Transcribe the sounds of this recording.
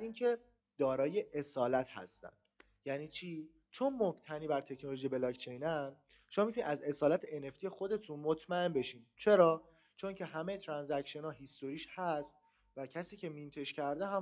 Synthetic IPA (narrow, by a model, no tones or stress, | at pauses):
d̪iːncʰe̞ | d̪̥ɒːɾɒːje̞ʔesɒːlæt̪ʰhæ̰st̪æ̰nd̪ | jæniːt͡ʃʰiː | t͡ʃʰo̞nmokt̪ʰæniːbæɾt̪ʰe̞cʰnoloʒijebelɒːkt͡ʃʰe̞jnæɾ | ʃomɒmit̪ʰunḭd̪æze̞sɒːlæt̪ʰeʔene̞ft̪ijexo̞d̪e̞t̪ʰunmot̪ʰmæe̞nbe̞ʃint͡ʃʰe̞ɾɒː | t͡ʃʰo̞ŋcʰe̞ɦæmet̪ʰɾænzæcʃie̞nɒːɦist̪o̞ɾiːʃhæst̪̚ | væcʰæsiːcʰe̞mint̪ʰe̞ʃcʰæɾd̪eɦæ